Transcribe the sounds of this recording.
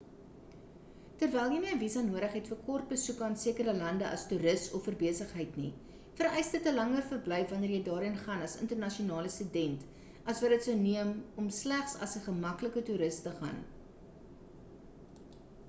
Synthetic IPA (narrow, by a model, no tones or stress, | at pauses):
tərvɛlˠjimiəəvisɐnuəɾəχɦɛtfərkɔrt̚bəsukɐːnsiəkəɾəlɐndəʔɐ̰stuːɾəstɔfərbiəsəχɦəjtni | fərɛjsdətəlɐŋərfərblɛjfvɐniərjəjdɑːɾənχɐnɐsə̰ntərnɐʃionɑːləstydɛnt | ɐsvɐdətsəwniəmɔmslæχsɐ̰səχəmɐkləkətuɾəstəχɐ̰n